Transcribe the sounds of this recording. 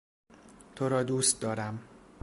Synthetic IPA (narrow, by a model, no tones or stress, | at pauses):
t̪ʰoɾɒːd̪uːst̪̚d̪ɒːɾæm